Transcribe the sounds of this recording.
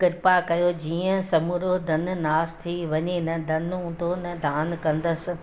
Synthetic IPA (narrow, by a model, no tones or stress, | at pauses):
kɪɾpakɐjod͡ʑiːə̃sɐmuɾod̪ʱɐnnaːst̪ʰiʋɐɲenɐd̪ʱɐnɦũːnd̪onɐd̪ʱaːnkɐ̃nd̪əs̆